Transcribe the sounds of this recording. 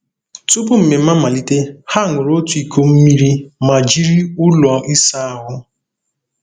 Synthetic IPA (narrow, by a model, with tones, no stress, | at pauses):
tʊ˦pʊ˦m̩˨me˨m̩˦a˦ma˨li˦te˦ha˦˨ŋʷʊ˨ɾo˦tu˨˦i˨kʰo˦m̩˦mi˦ɾi˦ma˨d͡ʒi˦ɾi˦ʊ˦lɔ˨ʔi˦sa˦a˦ɦʊ˦